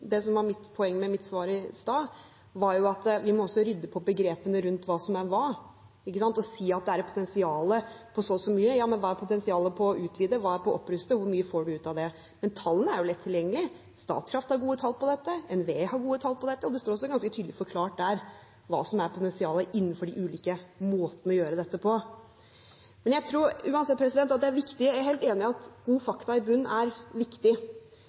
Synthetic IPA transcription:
d̪ɛsɔmʋɑɾmɪt̪pʰɔɛŋːəmɛmɪt̪sʋɑːɾɪst̪ɑː | ʋɑɾjʊɑt̪ʋɪmɔɔsːɔɾʏd̪ːəpʰɔbəɡɾeːpənəɾʉnt̪ʋɑːsɔmæɾʋɑː | ɪkːəsɑnt̪ɔsiːɑt̪̚d̪ɛæɾpʰʊ̥t̪ʰɛnsɪɑːləpʰɔsɔsɔmyːəjɑːmɛnʋɑːæɾpʰʊt̪ɛnsɪɑːləpʰɔʉːt̪ʰʋiːd̪əʋɑːæɾpʰɔʔɔpːɾʉst̪əʋʊɾmyːəfoːɖʉʉːt̪ɑʋd̪ɛ | mɛnt̪ʰɑlːənəæɾjʊlɛt̪ʰːɪljɛŋːəlɪ | st̪ɑ̰ːt̪skʰɾɑft̪hɑɾɡuːət̪ʰɑlpʰɔd̪ɛt̪ːəɛnʋeːhɑɾɡuːət̪ʰɑlːpʰɔd̪ɛt̪ːəɔd̪ɛst̪oːɾɔsɔɡɑnskət̪ʰyːd̪ɪfɔɾkʰlɑːʈ̚d̪æɾ | ʋɑ̰ːsɔmæɾpʰʊt̪ɛnsɪɑːləʔɪnːənfɔɖɪʔʉːliːkəmoːt̪ənəɔjøːɾəd̪ɛt̪ːəpʰɔ | mɛnjæɪt̪ʰɾuːɾʉːɑnsɛt̪̚ːpʰɾɛsɪd̪ɛnt̪ɑt̪̚d̪ɛæɾʋɪkt̪ɪjæɦeːlt̪eːnɪɑt̪ɡ̥uːfɑkt̪ɑɪbʉnːæɾʋɪkt̪ɪ

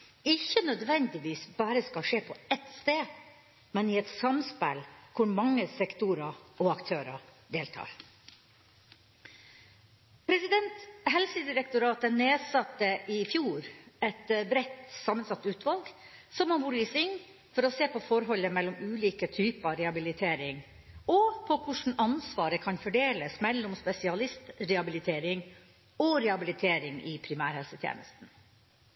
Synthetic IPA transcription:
ɪçːənœd̪ʋɛnd̪ɪʋiːsbɑːɾəskɑʂeːpʰɔɛt̪st̪eː | mɛnɪɛt̪sɑmspælkʰʊɾmɑŋːəsɛkt̪uɾɑɔɑkt̪ʰøːɾɑ̰ɾ | ɖ̪eːlt̪ʰɑ̰ːɾ | pʰɾɛsɪd̪ɛnt̪ɦɛlsəd̪ɪɾɛkt̪ʊɾɑːt̪əneːsɑt̪ːəʔɪfjuːɾɛt̪bɾɛt̪sɑmːənsɑt̪ːʉːt̪ʋɑlɡ | sɔmɔmʋʊɾɪsɪŋ | fɔɾɔseːpɔfɔɾɦɔlːəmɛlːɔmʉːliːkət̪ʰyːpəɑɾɛhɑbɪlɪt̪ʰeːɾɪŋ | ɔpʰɔkʰʊʂɳ̩ɑnsʋɑːɾəkʰɑnfɔɖeːləsmɛlːɔmspɛsɪɑlɪst̪ɾɛhɑbɪlɪt̪ʰeːɾɪŋ | ɔɾɛhɑbɪlɪt̪ʰeːɾɪŋɪ̰pʰɾɪmæ̰ːɾhɛlsət̪ʰjḛːnəst̪n̩

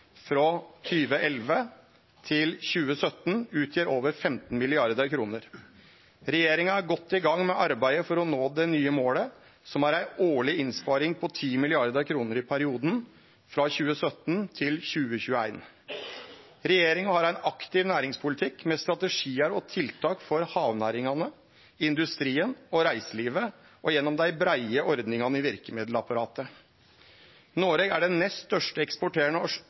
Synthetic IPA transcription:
fɾɔt̪ʰyːʋəʔɛlʋə | t̪ʰɪlçʉːəsœt̪nʉːt̪ʰjiːɾoːʋəɾfɛmt̪n̩mɪlɪɑɾd̪əkʰɾuːnəɾ | ɾɛjeːɾɪŋəæɾɡɔt̪ːɪɡɑŋːmɛʔɑɾbæɪəfɔɾɔnoːd̪ɛnyːəmoːlə | sɔmæɾæɪoːɭɪɪnspɑːɾɪŋpʰɔt̪ʰiːmɪlɪɑɾd̪əkʰɾuːnəɾɪpʰæɾɪuːd̪n̩ | fɾɑçʉːəsœt̪nt̪ʰɪlçʉːəçʉːəæɪn | ɾɛjeːɾɪŋɑhɑɾæɪnɑkt̪ɪʋnæːɾɪŋspʰʊlɪt̪ʰɪkmɛst̪ɾɑt̪əʂiːəɾɔt̪ʰɪlt̪ʰɑːkfɔɾhɑːʋnæːɾɪŋɑnə | ɪnd̪ʉst̪ɾiːənɔɾæɪsəliːʋə | ʔɔjɛnːɔmd̪æɪbɾæɪəʔɔɾd̪nɪŋɑnəɪʋɪɾkəmɪd̪l̩ɑpɑɾɑːt̪ə | noːɾeːɡæɖɛnnɛstt̪œʂʈəɛkspɔʈʰeːɳəɔ

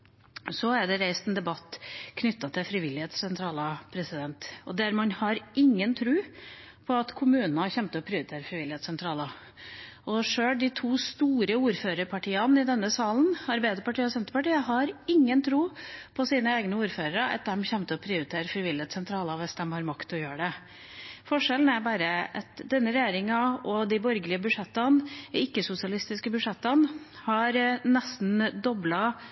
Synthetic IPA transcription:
sɔæɖɛɾæɪst̪ɛnd̪ɛbɑt̪ːkʰnʏt̪ːɑt̪ʰɪlfɾɪʋɪlɪheːt̪ssɛnt̪ʰɾɑːlɑpʰɾɛsɪd̪ɛnt̪ɔd̪æɾmɑnhɑɾɪŋːənt̪ʰɾʉː | pʰɔɑt̪kʰʊmʉːnənɑçɛmt̪əɔpʰɾɪːʊɾɪt̪ʰeːɾəfɾɪʋɪlɪɛːt̪sɛnt̪ʰɾɑːlɑ | ʔɔʂøːlɖɪt̪ʰuːst̪uːɾəuːɾføːɾəɾpʰɑʈʰiːɑnɪd̪ɛnːəsɑːlnɑɾbæɪd̪əɾpɑʈʰiːəɔsɛnt̪əɾpɑʈiːəɦɑɾɪŋːənt̪ʰɾuːpʰɔsiːnəeːɡnəuːɾføːɾəɾəʔɛ̰t̪̚d̪ɛmçɛmt̪əɔpʰɾɪːʊɾɪt̪ʰeːɾəfɾɪʋɪlɛt̪sɛnt̪ʰɾɑːlɑʋɛsd̪ɛmhɑɾmɑkt̪ɔjøːɖɛ | fɔʂɛln̩æɾbɑːɾəʔɑt̪d̪ɛnːəɾɛjeːɾɪŋɑɔd̪ɪbɔɾɡəlɪəbʉʂɛt̪ːɑnɪkːəsʊsɪɑlɪst̪ɪskəbʉʂɛt̪ːɑnhɑɾnɛst̪n̩d̪ɔblɑ

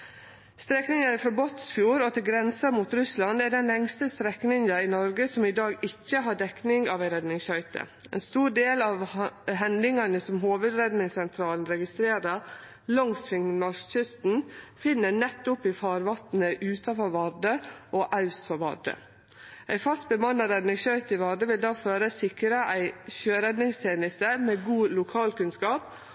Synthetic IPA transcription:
st̪ɾɛknɪŋəɾɪfɾɔbɔt̪sfjuːɾɔt̪ʰɪlɡɾɛnsəmuːt̪ɾʉslɑnd̪æɖɛnlɛŋst̪əst̪ɾɛknɪŋəinɔɾɡəsɔmɪd̪ɑːɡɪçːəɦɑɖɛknɪŋɡɑʋæɪɾɛd̪nɪŋshœʏt̪ə̰ | ɛ̰ːnst̪uːɖeːlɑːʋɦɛnd̪lɪŋɑnəsɔmɦoːʋəd̪ɾɛd̪nɪŋsɛnt̪ʰɾɑːln̩ɾɛɡɪst̪ɾeːɾə | lɔŋsfɪŋmɑʂt͡ʃʏst̪n̩fɪnːənɛt̪ːʊpːiːfɑːɾʋɑt̪nəʔʉːt̪ɑfɔɾʋɑɾd̪əʔɔʔɑʉst̪fɔɾʋɑ̰ɾɖ̪ə̰ | ʔæɪfɑst̪̚bəmɑnːɑɾɛd̪nɪŋsʃœʏt̪əɪʋɑɾɖ̪əʋɪld̪ɑːføːɾəsɪkəɾəʔæɪɕøːɾɛd̪nɪŋst̪ʰeːnəst̪əmeːɡuːlʊkʰɑːlkʉnskɑːp

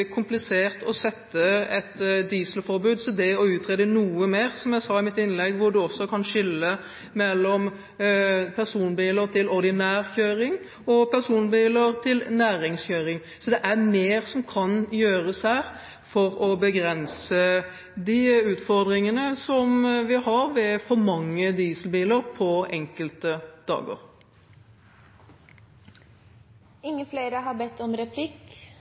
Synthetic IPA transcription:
kʰʊmplɪseːʁt̪ʰɔsɛt̪ːəɛt̪d̪iːsəl̩fɔɾbʉːd̪sɔd̪ɛɔʉːt̪ʰɾeːd̪ənuːəmeːʁsɔmjæsɑːɪmɪt̪ɪnlɛɡʋʊɖʉɔsːɔkʰɑnʃʏlːə | mɛlːɔm | pʰæɾsuːnbiːləɾt̪ʰɪlɔɾd̪ɪnæːʁçøːɾɪŋ | ɔpʰæɾsuːnbiːləɾt̪ʰɪlnæːɾɪŋsçøːɾɪŋ | sɔd̪ɛʔæɾmeːɾsɔmkʰɑnjøːɾəshæːɾ | fɔʁɔbəɡʁɛnsə | d̪iʉːt̪fɔɾd̪ɾɪŋənəsɔmʋɪhɑʁʋɛfɔɾmɑŋːəd̪iːsəlbiːləɾpʰɔɛŋkəlt̪əd̪̥ɑ̰ːɡə̰ʁ | ɪŋːəfleːɾəɦɑɾbɛt̪ːɔmɾɛpʰlɪk

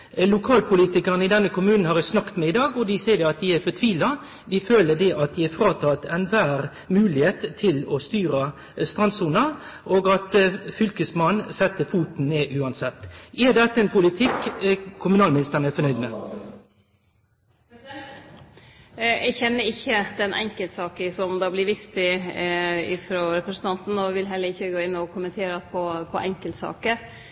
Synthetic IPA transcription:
lʊkʰɑːlpʰʊliːt̪ɪkəʁnəɪd̪ɛnːəkʰʊmʉːnn̩hɑʁsnɑkt̪mɛɪd̪ɑːɡɔd̪ɪsɛɪd̪ɛɑt̪̚d̪ɪæfɔt̪ʰʋiːlɑ | ʋ̪ɪføːləɖ̪ɛʔɑt̪̚d̪ɪæfɾɑːt̪ʰɑt̪ɛnʋæːɾ | mʉːlɪheːt̪t̪ʰːɪlɔst̪yːɾə | st̪ɾɑnsuːnɑʔoːɡɑt̪fʏlkəsmɑnsɛt̪ːəfuːt̪n̩ːeːʔʉːɑnsɛt̪ːɛd̪ɛt̪ːəɛnpʰʊlɪt̪ʰɪkkʰʊmʉnɑːlmɪnɪst̪əʁnəfɔnœʏd̪mə | ɛɡçɛnːəɾɪçːəd̪ɛnʔɛ̰ŋkəlt̪sɑːkəsɔmd̪ɑːblɪɾʋɪst̪ɪ | ɪfɾoːɾɛpɾəsnt̪ʰɑnt̪n̩ɔʋɪlɦɛlːəɾɪçːəɡoːɪnːɔkʰʊmənt̪ʰeːɾɑpʰɔpʰɔʔɛŋkəlt̪sɑ̰ːkəɾ

